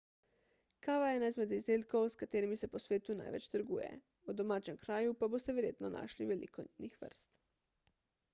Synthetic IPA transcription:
kaːʋajɛnajzmɛd̪izd̪elkowskat̪eːɾimisɛposʋeːt̪una̰jʋɛ̰t͡ʃt̪əɾɡuːjɛ̰ | ud̪omaːt͡ʃɛmkɾaːjupabost̪ɛʋeɾjeːt̪nona̰ːʃliʋelḭkoɲinixʋə̰ɾst̪

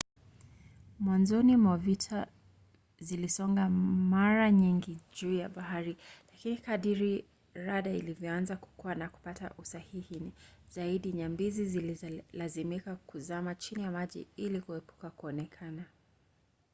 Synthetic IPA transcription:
mwanzɔnimɔvitʰa | zilisɔŋɡamaɾaɲiŋɡiʄuːjaɓaɦaɾilakinikaɗiɾi | ɾaɗailivjɔanzaku̥kuanaku̥pata̰ʔusahihiniz̥aiɗiɲambizizililazimikakuzamat͡ʃinijamaʄḭilikuɛpu̥kakuɔnɛkʰana

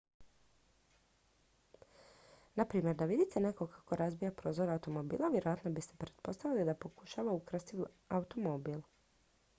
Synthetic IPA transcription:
napɾiːmje̞ɾd̪aʋid̪it̪ene̞ko̞kʰḁko̞ɾʔazbijapɾo̞ːzoɾaut̪o̞mobḭːlˠaʋje̞ɾojat̪no̞bist̪e̞pɾe̞t̪̚po̞st̪aʋilid̪apo̞kuʃaʋaukɾst̪i | aut̪o̞mo̞biːl

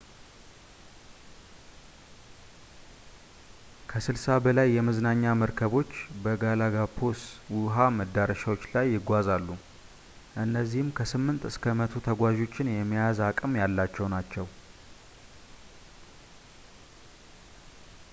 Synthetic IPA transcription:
kʰəsɨlsabəlajːɛmɨznaɲːaməɾkʰəβo̞t͡ʃːbəɡalaɡapʰoswʊɦaməd̪ːaɾəʃawo̞t͡ʃːlajːɪɡʷazalːu | ʔɨnːəzːihɨmkʰəsɨmːɨnt̪ɨskʰəmət̪ʰut̪ʰəɡʷaʒo̞t͡ʃːɪnjɛmːijazakʼɨmjalːat͡ʃːɛwnat͡ʃːɛw

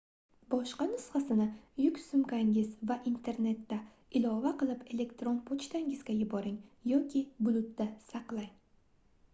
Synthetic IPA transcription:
bɒʃqɑnʊsχɑsɪnɪjʊkʲsʊmɡʲaŋɪzvaʔint̪ʰe̞ɾne̞t̪ːa | ɪlˠɒvaqɨlˠɪpe̞le̞kt̪ɾo̞npʰot͡ʃt̪ʰaŋɪzɡʲajʊbɒɾɪŋjɒkʲʰɪbʊlˠʊt̪ːasaqlˠaj

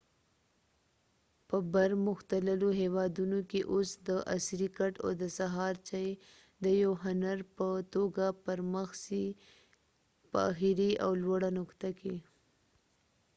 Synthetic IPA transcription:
pəbaɾmʊxt̪aləloɦewɑd̪unokeʔosd̪əʔa̰sɾikaʈa̰wd̪əsaɦɑɾt͡ʃaje | d̪əjawɦʊnaɾpət̪oɡapəɾməxsi | pə̰xiɾia̰wlwaɽanʊkt̪aki

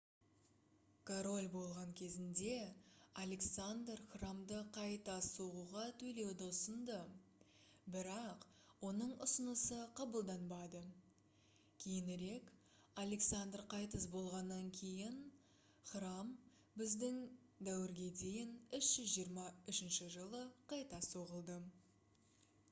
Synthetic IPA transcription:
kʰoɾo̞lʲbo̞lˠʁɑŋkʲʰe̞zɪnd̪e̞alʲe̞ksand̪rχramd̪əqʰɑjt̪ɑsuʁuʁɑt̪ʰɵle̞wd̪o̞sənd̪ə | bɪɾɑq | wo̞nəɴʊsənəsəqʰɑbəlˠd̪ɑnbɑd̪ə | kʲʰe̞jɪnɪɾe̞k | alʲe̞ksand̪rqʰɑjt̪əzbo̞lˠʁɑnːɑŋkʲʰe̞jɪn | χram | bɪzd̪ɪŋ | d̪æwɪɾɡʲe̞d̪e̞jɪnʏʃʒ̥ʏzʒijəɾmɑʏʃɪnʃɪʒəlˠəqʰɑjt̪ɑsoʁəlˠd̪ə

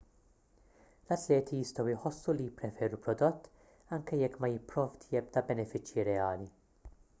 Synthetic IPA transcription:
lɐt̪lɛːt̪ʰijɪst̪ɔwɪħɔsːulijɪpːɾɛfɛːɾupɾɔd̪ɔt̪ː | ɐŋkɛjɛkːmɐjɪpːɾɔːft̪jɛb̚d̪ɐbɛnɛfɪt͡ʃjiɾɛɐːli

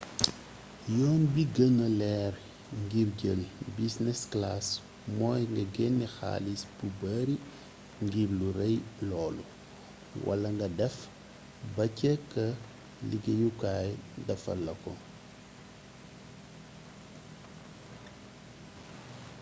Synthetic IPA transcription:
jɔːnbiɡɐŋɐlɛːɾ | ŋɡiɾɟəlbisnɛsklas | mɔːjŋɡɐɡɛnːixa̰ːlisb̥ubaːɾi | ŋɡiːbluɾɛjlɔːlu | wʔɐ̰lɐŋɡɐdɛf | bɐcːɛkɐ | liɡɐjukaːjdɐfɐ̰lːɐkɔ

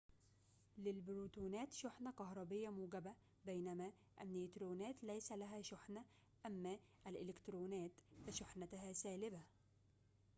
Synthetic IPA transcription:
lɪlbɾuːt̪uːnæːt̪ʃʊħnæqɑhɾˤɑbɪjːæmuːɡæbæ | bæjnæmæ | ʔænːet̪ɾoːnæːt̪læjsælæɦæːʃʊħnæ | ʔæmːæːʔælʔɪlɪkt̪ɾuːnæːt̪fɪʃʊħnæt̪aɦæːsæːlɪbæ

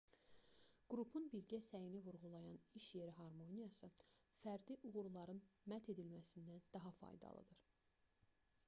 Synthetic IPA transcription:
ɡ̥ɾupʰunbiɾɟæsæjinivuɾʁulˠɑjɑniʃje̞ɾiɦɑɾmonijɑsɯfæɾd̪iʔuɣuɾulˠɑɾɯnmæt̪ʰe̞d̪ilmæsind̪ænd̪ɑɦɑfɑ̰jd̪ɑ̰lˠɯ̰d̪ɯɾ̥

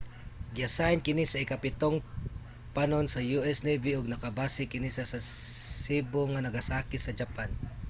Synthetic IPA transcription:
ɡɪɐsaɪnkɪnisɐɪkɐpɪt̪oŋ | panonsɐjuʔɛsneviʔʊɡ̚nɐkɐbaːsɪkɪnisɐsasiːboŋɐnɐɡɐsaːkɪsɐd͡ʒɐpan

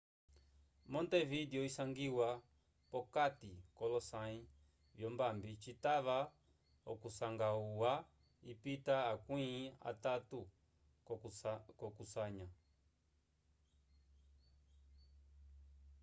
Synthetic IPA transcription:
mɔntɛvidiɔisaŋɡiwa | pɔkatikɔlɔsai | vjɔmbambit͡ʃitaβa | ɔkusaŋɡauwa | ipitaːkwĩa̰tatu | kɔkusaɲa

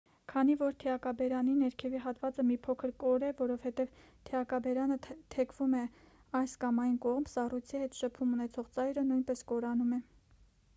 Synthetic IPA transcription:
kʰɑnivɔɾt̪ʰɛɑkɑbɛɾɑninɛɾkʰɛviɦɑt̪vɑt͡səmipʰɔkʰəɾkɔɾɛvɔɾɔv̥hɛt̪ɛv | t̪ʰɛɑkɑbɛɾɑnət̪ʰɛkʰvumɛ | ɑjskɑmɑjnkɔʁmbsɑrujt͡sʰihɛt̪ʃəpʰumunɛt͡sʰɔʁt͡sɑjɾənujnpɛskɔɾɑnumɛ

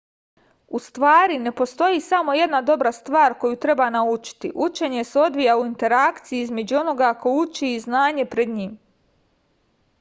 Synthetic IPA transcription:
ust̪ʋaːɾine̞po̞st̪o̞jisamo̞je̞d̪nad̪o̞bɾast̪ʋaːɾko̞jut̪ɾe̞banaut͡ʃi̥t̪ḭʔut͡ʃe̞ɲe̞seo̞d̪ʋijauint̪e̞ɾakt̪sijiizme̞d͡ʑuo̞no̞ɡakʰo̞ut͡ʃiːznaːɲe̞pɾed̪ɲiːm

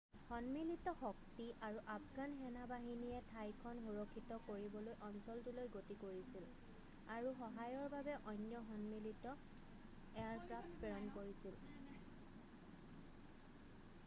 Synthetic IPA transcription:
xɔnmilitɔxɔktiʔaɹuʔapɡanxɛnabaɦinijɛtʰajkʰɔnxuɹɔkʰːitɔkoɹibɔlojʔɔnsɔltulojɡotikoɹisil | aɹuxɔɦajɔɹbabɛʔɔjnjɔɦɔnmilitɔ | ɛaɹkɹappɛɹɔnkoɹisil

